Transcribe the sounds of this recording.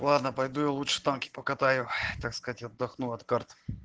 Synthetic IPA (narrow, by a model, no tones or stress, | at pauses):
lˠad̪nəpɐjd̪ujalˠutʂɨ̥t̪ankʲɪ̥pəkɐt̪ajʊt̪akskɐzatʲaɐd̪ːɐxnuɐt̪kart̪